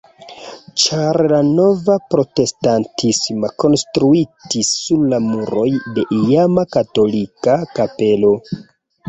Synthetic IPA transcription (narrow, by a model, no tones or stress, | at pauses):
t͡ʃaɾlano̞vapɾo̞te̞stantʰismako̞nstɾuitisːuɾlamuɾo̞jde̞ʔijamakato̞likakape̞lo̞